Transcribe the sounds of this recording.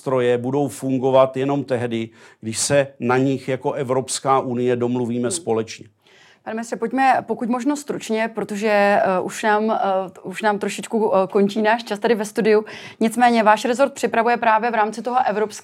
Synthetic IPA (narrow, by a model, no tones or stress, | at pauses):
t̪ɾo̞jɛbudo̞wfuŋɡo̞vat̪jɛno̞mt̪ɛɦdɪɡdɪʃsɛnaɲɪxjako̞ʔɛvɾopskaːʔunɪjɛdo̞mluviːmɛspo̞lɛt͡ʃɲɛ | panɛmɪnɪst̪rɛpoc̚mɛpo̞kucmo̞ʒnost̪ɾut͡ʃɲɛpɾo̞t̪oʒɛʔuʃnaːmuʃnaːmt̪ɾo̞ʃɪt͡ʃkuko̞nt͡ʃiːnaːʃt͡ʃast̪adɪvɛst̪udɪu | ɲɪt͡smɛːɲɛvaːʃɾɛzoɾt̪pr̥ɪpɾavujɛpɾaːvjɛvɾaːmt͡sɪt̪o̞ɦo̞ʔɛvɾopsk